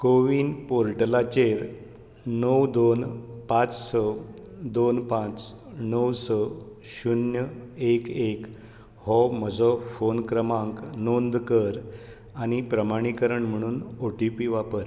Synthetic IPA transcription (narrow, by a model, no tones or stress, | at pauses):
koʋiːnpoɾʈlat͡ɕeɾ | nəwd̪onpãt͡ssɔ | d̪onpãt͡s | nəwsɔ | ɕunjəekek | hɔməd͡zɔfonkɾəmãŋknond̪kəɾ | añipɾəmaɽ̃ikəɾəɳm̤əɽ̃uːnoʈipiʋapəɾ